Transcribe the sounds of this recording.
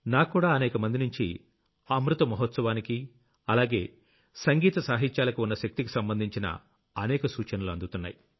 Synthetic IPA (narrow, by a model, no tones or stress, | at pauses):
naːkːuːɽaːɐnɛːkɐmɐnd̪inuɲt͡ʃi | ɐmɾut̪ɐmɐɦɔt̪sɐʋaːniki | ɐlaːɡe̞ː | sɐŋɡiːt̪ɐsaːɦit͡ʃaːlɐkuunːɐʃɐk̚t̪iki̥sɐmbɐnd̪ʱiɲt͡ʃinɐ̰ | ɐnɛːkɐsuːt͡ʃɐnɐluɐ̰nd̪ut̪unːa̰ːji